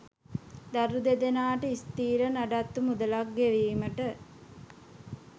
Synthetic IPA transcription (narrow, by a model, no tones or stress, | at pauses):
d̪aɾud̪ed̪enaːʈəist̪iːɾənaɖat̪ːumud̪əlak̚ɡeʋiːməʈə